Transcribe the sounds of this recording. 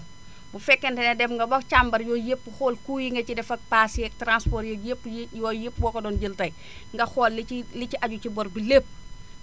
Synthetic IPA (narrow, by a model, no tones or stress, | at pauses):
bufɛkːɛntɛnɛdɛmŋɡɐbɐkt͡ʃambɐɾjɔːjepːuxɔːlkuːjiŋɡɐcidɛfɐk̚pasɛk̚tɾanspɔːɾjɔepːjɔːjipːwɔːkɔdɔːnɟiltɐj | ŋɡɐxɔːlːiliciʔaɟucibɔɾbileːp̚ː